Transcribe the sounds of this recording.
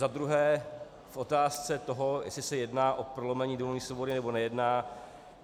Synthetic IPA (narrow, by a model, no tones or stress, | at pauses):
zad̪ɾuɦɛː | fʔo̞t̪aːst͡sɛt̪o̞ɦo̞jɛ̰slɪsɛjɛdnaːʔo̞pɾolomɛɲiːdomiːsvobodɪnɛbo̞nɛjɛdnaː